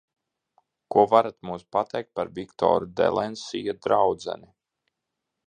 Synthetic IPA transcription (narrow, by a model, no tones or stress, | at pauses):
kuɔvaɾat̪muːspat̪ɛjk̚t̪̚paɾvikt̪ɔ̰ːɾud̪ɛ̰lˠɛnsijad̪ɾawd̪zɛ̰ni